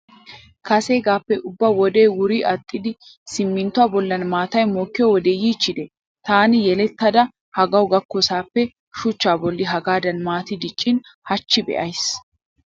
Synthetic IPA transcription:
kɐse̞ːɡaːpːɛʔʊbːɐwɔd̪eːwʊɾiʔɐt̪ʼːɪd̪ɪsɪmːɪnt̪ʊaːbɔlːɐnmaːt̪ɐjmoːkːɪjɔwɔd̪eːjiːt͡ʃːɪd̪ɛ | t̪aːnɪjɛlɛt̪ːɐd̪ɐ | hɐɡɐwɡɐkːɔsaːpːɛ | ʃʊt͡ʃːaːbɔlːɪɦɐɡaːd̪ɐnmaːt̪ɪd̪ɪt͡ʃʼːɪnhɐt͡ʃːɪbɛ̰ʔɐjs

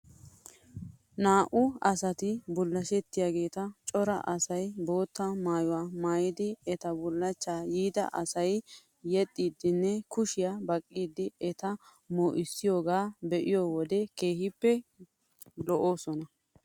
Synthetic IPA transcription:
naːʔʊɐsɐt̪ɪbʊlːɐʃɛt̪ːɪjaːɡe̞ːt̪ɐt͡ʃʼɔɾɐ̰ʔɐsɐjbo̞ːt̪ːɐmaːjʊwaːmaːjɪd̪ɪɛt̪ɐbʊlːɐt͡ʃːaːjiːd̪ɐ̰ʔɐsɐj | jɛt̪ʼːiːd̪ɪnːɛkʊʃɪjabɐkʼːiːd̪ːɪɛt̪ɐ | moːʔɪsːɪjo̞ːɡaːbɛʔɪjowɔd̪ɛke̞ːhɪpːɛ | lɔʔoːsɔnɐ

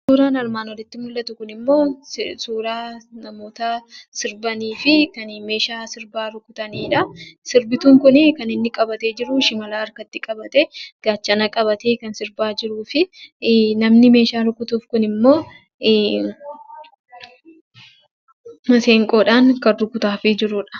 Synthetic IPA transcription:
suːɾaːnɐɾmaːnɔlɪt̪ːɪmʊlːɐt̪ʊkʊnɪmːo̞ːsuːɾaːnɐmo̞ːt̪ɐsɪɾbɐniːfɪkɐnme̞ːʃaːsɪɾbaːɾʊkːʊt̪ɐniːᶑɐsɪɾbɪt̪uːŋkʊnɪkɐnɪnːɪkʼɐbɐt̪e̞ːd͡ʒɪɾʊʃɪmɐlaːɐɾkɐt̪ːɪkʼɐbɐt̪ɛɡ̥aːt͡ʃːɐnɐkʼɐbɐt̪eːkɐnsɪɾbaːd͡ʒɪɾuːfɪ | nɐmnɪme̞ːʃaːɾʊkːʊt̪uːfkʊnɪmːo̞ː | mɐse̞ːŋkʼo̞ːᶑaːŋkɐnɾʊkːʊt̪aːfɪd͡ʒɪɾʊᶑɐ̥

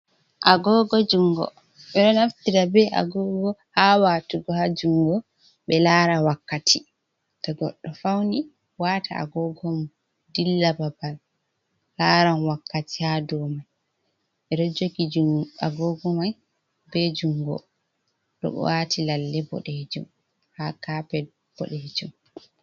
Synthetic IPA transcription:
ʔaɡɔɡɔd͡ʒuŋɡɔ̰ | ɓɛɗɔnaftiɾabɛʔa̰ɡɔɡɔhawaːtuɡɔhad͡ʒuŋɡɔ | ɓɛlaːɾawakːatʰi | tɔɡɔ̰ɗːɔfawni | waːtʰaa̰ɡɔɡɔm | dilːababalː | aɾanwakːatihadɔmaj | ɓɛɾod͡ʒokid͡ʒaɡɔɡɔmaj | bɛd͡ʒuŋɡɔ̰ | ɗɔ̰ɓɛ̰waːtʰilalːɛbɔ̰ɗed͡ʒṵm | hakapɛ | b̥ɔ̰ɗed͡ʒum

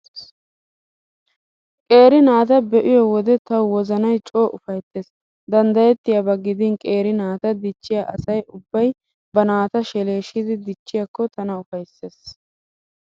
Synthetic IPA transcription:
kʼe̞ːɾɪnaːt̪ɐbɛʔɪjɔwɔd̪ɛt̪ɐwwɔzɐnɐjt͡ʃʼo̞ːʔʊfɐjt̪ːeːs | d̪ɐnd̪ɐjɛt̪ːɪjɐbɐɡːɪd̪ɪnkʼe̞ːɾɪnaːt̪ɐd̪ɪt͡ʃːɪjaʔɐsɐjʔʊbːɐj | bɐnaːt̪ɐʃɛle̞ːʃɪd̪ɪd̪ɪt͡ʃːɪjɐkːɔt̪ɐnɐʊfɐjsːe̞ːs

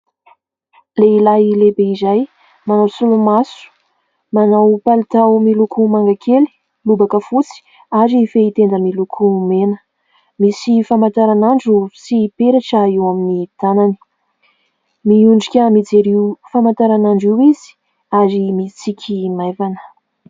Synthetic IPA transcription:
leilailebeizaj | manawsulumasu̥ | manawpalit̪awmilukumaŋɡakʰeli̥ | lubakəfut͡si̥ | aɾiːfeit̪end̪əmilukʰumenə̥ | misifamant̪aɾanaɳɖ͡ʐusipeɾaʈ͡ʂaiwaminit̪anani̥ | miuɳɖ͡ʐikʲəmid͡zeɾiwfamant̪aɾanaɳɖ͡ʐiwizi̥ | aɾimit͡sikʲʰimajvanə̥

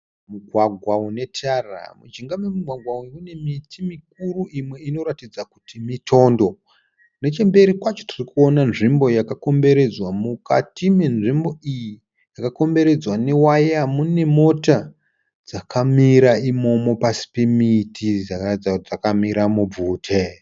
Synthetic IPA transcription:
muɡʱwaɡʱwaune̞tʰara̰mud͡ʒiŋɡamemuɡʱwaɡʱwawiune̞mitʰimik̚uruʔimwe̞ino̞ɾatid͡zaku̥timitʰo̞ːndo̞ | ne̞t͡ʃembe̞ɾikwat͡ʃo̥tirikuo̞nanʐimbo̞jakako̞mbe̞ɾe̞d͡zwamukatimenʐimbo̞iji | jakako̞mbe̞ɾe̞d͡zwane̞wajamune̞mo̞ta | d͡zakʰamiɾaimo̞mo̞pasi̥pe̞mitʰid͡zakd͡zautd͡zakamiɾamub͡vuːtʰe

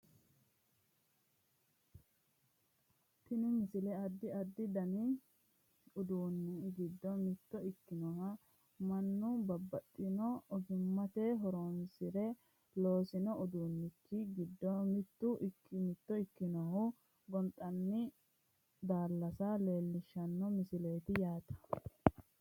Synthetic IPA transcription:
t̪ɪnɪmɪsɪlɛɐd̪ːɪɐd̪ːɪd̪ɐnɪ | ʊd̪uːnːɪɡɪd̪ːɔmɪt̪ːɔɪkːɪnɔhɐ | mɐnːʊbɐbːɐt̪ʼːɪnɔɔɡɪmːɐt̪ɛɦɔɾɔmɪsɪɾɛ | lo̞ːsɪnɔʊd̪uːnːɪkʰːɪɡɪd̪ːɔmɪt̪ːʊʔkːmɪt̪ːɔɪkːɪnɔhʊ | ɡɔnt̪ʼːɐnːɪ | d̪aːlːɐsɐle̞ːlːɪʃːɐnːɔmɪsɪlɛːt̪ɪjaːt̪ɐ̥

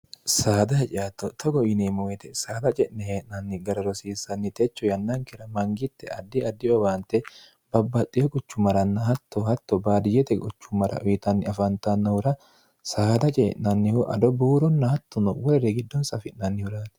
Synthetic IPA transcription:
saːd̪ɐhɛt͡ʃʼɪjat̪ːɔt̪ʰɔɡɔɪnemɔwɛt̪ɛsaːd̪ɐt͡ʃʼɛʔnɛheːʔnɐnːɪɡɐɾɐɾɔsiːsːɐnːɪt̪ɛt͡ʃːɔjɐnːɐŋkɛɾɐmɐŋɡɪt̪ːɛʔɐd̪ːɪɐd̪ːɪɔbaːnt̪ːɛ | bɐbːɐt̪ʼːɪjɔkʼʊt͡ʃːʊmɐɾɐnːɐhɐt̪ːɔhɐt̪ːɔbaːd̪ɪjɛt̪ɛkʼʊt͡ʃːʊmɐɾɐ̰ʔʊjɪt̪ɐnːɪɐfɐnt̪ɐnːɐhʊɾɐ | saːd̪ɐt͡ʃʼɛːʔnɐnːɪhʊʔɐ̰d̪ɔbuːɾɔnːɐhɐt̪ːɔnɔwɔɾɛɾɛɡɪd̪ːɔnsɐfɪʔnɐnːɪhʊɾaːt̪

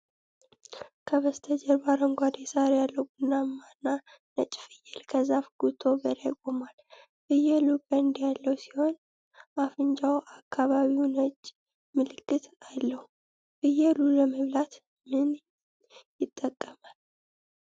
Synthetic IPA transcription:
kʰəβəst̪ʰəd͡ʒɛɾbaɾəŋɡʷad̪jɛsaɾjalːəwɡunːamːanːa | nət͡ʃʼfɨjːɛlkʰəzafɡ̥ut̪ʰo̞bəɾajkʼomal | fɨjɛlubənd̪jalːəwsi̥ho̞n | afɨnd͡ʒawʔakʰːaβaβiwnət͡ʃʼː | mɨlɨkːɨt̪alːəhu | fɨjɛluləməβlat̪ | mɨn | jɪt̪ʼːəkʼːəmal

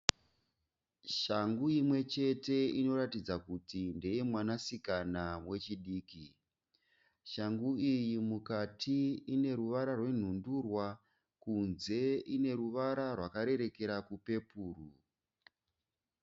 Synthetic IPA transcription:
ʃaŋɡuimwe̞t͡ʃe̞te̞ino̞ɾatid͡zakutinde̞je̞mwanasikanamwe̞t͡ʃiɗiːki | ʃaŋɡuijimukatʰiine̞ɾuʋaɾarwe̞n̤undurwa | kunze̞ine̞ɾuʋaɾarwakaɾe̞ɾe̞ke̞ɾakupe̞puːru

